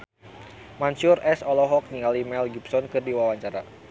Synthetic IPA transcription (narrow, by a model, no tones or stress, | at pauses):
mansurʔɛsɔlɔɦɔk̚niŋalimɛlɡibsɔnkɨrdiwawaɲt͡ʃaɾa̰